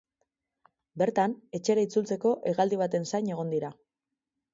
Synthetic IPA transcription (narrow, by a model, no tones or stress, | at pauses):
be̞ɾt̪ane̞t͡ʃe̞ɾait͡sult͡se̞ko̞ʔeɣald̪iβ̞at̪e̞nsajɲe̞ɣ̞o̞nd̪iɾa